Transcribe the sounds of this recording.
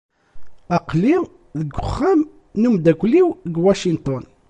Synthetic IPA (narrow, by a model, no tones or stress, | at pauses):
ɑqːli | ðəɡʊχːæm | numd̪ækʷliwɡwaʃint̪ˤɔn